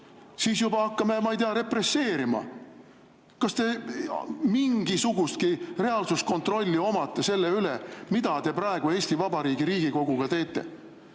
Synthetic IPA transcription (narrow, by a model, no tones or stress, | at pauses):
siːsjubɑɑkːɑmemɑjt̪eɑɾe̞pre̞sːe̞ːɾimɑ̰ | kɑst̪e̞ | miŋɡ̥isuɡ̥ust̪̚kire̞ɑlsusko̞nt̪ˑro̞lʲːio̞mɑt̪ːˑese̞lːe̞ylemid̪ɑt̪e̞pɾɑeɡ̥ue̞ːsʲt̪ivɑbɑɾiːɡiɾiːɡ̥iko̞ɡ̥uɡ̥ɑt̪e̞ːt̪ːˑe̞̰